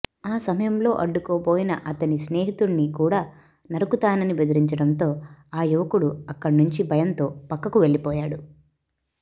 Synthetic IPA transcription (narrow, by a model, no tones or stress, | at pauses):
aːsɐmɐjɐmlo̞ːʔɐɖːukoːboːjinɐʔɐt̪ɐnisneːɦit̪uɳːikuːɽaː | nɐɾukut̪aːnɐnibe̞d̪iɾiɲt͡ʃɐɽɐnt̪o̞ːaːjuʋɐkuɽuɐkːɐɽnuɲt͡ʃibʱɐjɐnt̪o̞ːpɐkːɐkuʋe̞ɭːipɔːjaːɽu